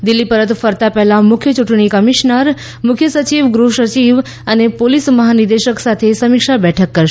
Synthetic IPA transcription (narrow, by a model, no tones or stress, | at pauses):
d̪ɪlːipəɾət̪fəɾt̪apɛɦlamʊkʰjət͡ʃuʈɳ̃ikəmiʃnəɾ | mʊkʰjəsət͡ʃiʋɡɾuʃət͡ʃiʋ | ənepolisməɦanid̪eʃəksat̪ʰesəmikʃabɛʈʰəkːəɾʃ